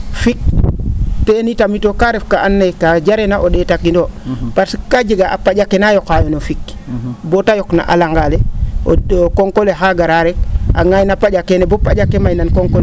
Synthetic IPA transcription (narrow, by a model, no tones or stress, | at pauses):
fik̚ | tenitamitokaɾefkaʔanːakad͡ʒaɾenaʔoɗetakːindopaɾsikad͡ʒeɡaʔapad͡ʒakːenajokajonofikbotajokna̰ʔa̰laŋɡaleookoŋkoleɦaɡaɾaɾek̚a̰ŋajnapad͡ʒakenebopad͡ʒakːemajnankoŋkol